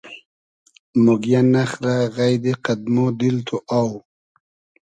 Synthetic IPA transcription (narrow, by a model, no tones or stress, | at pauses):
mʊɡjanaχɾaɣajd̪eqad̪̚mod̪ilt̪ʰuʔaw